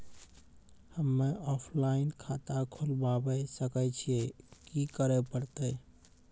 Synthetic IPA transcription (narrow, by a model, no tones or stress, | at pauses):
həmːeʔɔpʰlainkʰat̪akʰulbabəsəkɛt͡ʃʰiekikəɾɛpəɾt̪əj